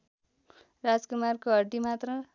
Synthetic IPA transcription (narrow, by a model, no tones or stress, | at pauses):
rad͡zkumarkoʌɖimat̪rʌ